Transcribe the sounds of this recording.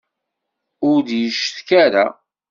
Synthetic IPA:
ʊɾðjəʃθkæɾa

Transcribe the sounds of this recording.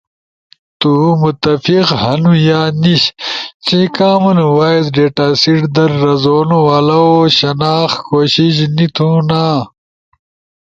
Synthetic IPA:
t̪umut̪ɐfiqhɐnujaːniɕt͡ɕĩkaːmɐnuwaːiz̬ɖeːʈaːsiʈd̪ɐɾːɐzoːnuwalɐoɕɐnaːxkoːɕiɕ̬nit̪ʰũnaː

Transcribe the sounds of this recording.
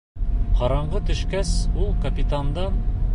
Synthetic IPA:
qɒɾɑɴɢɤt̪ɵ̆ʃkæsulˠkɐpʲit̪and̪ɑn

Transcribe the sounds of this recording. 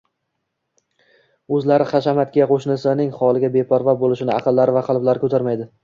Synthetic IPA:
ɵzlaɾɪχɑʃamat̪̚kʲaqʰoʃnɪsɪnɪŋχɒlˠɪɡʲabe̞pʰɒɾvabolɪʃɪnɪɑqʰɨlˠːaɾɪvaqʰɑlˠblaɾkʰɵt̪ʰaɾmajd̪ɪ

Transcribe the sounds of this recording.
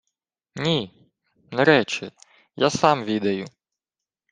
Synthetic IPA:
nʲi | nɛɾɛt͡ʃɪ | jasɑmʋʲid̪ɐjʊ

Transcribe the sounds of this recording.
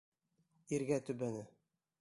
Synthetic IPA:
iɾɡæt̪ɵ̆bænɘ

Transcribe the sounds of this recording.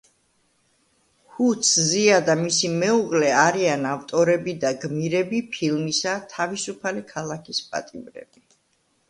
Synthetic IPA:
hut̪sʰziad̪amisimɛuʁlɛaɾianavt̪ʼɔɾɛbid̪aɡmiɾɛbipʰilmisat̪ʰavisupʰalikʰalˠakʰispʼa̰t̪ʼimɾɛ̰b̥i

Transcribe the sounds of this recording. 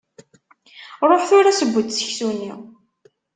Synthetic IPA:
ɾˤoħθʊɾasəbʷːət̪sə̥çsunːi

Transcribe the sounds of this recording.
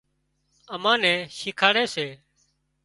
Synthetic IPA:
əmãːnɛ̃ːʃɪkʰaːɽeːseː

